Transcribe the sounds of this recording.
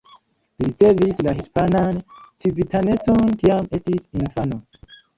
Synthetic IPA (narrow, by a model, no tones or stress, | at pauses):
liit͡se̞vislahispanant͡sibitane̞t͡sontiame̞tisinfano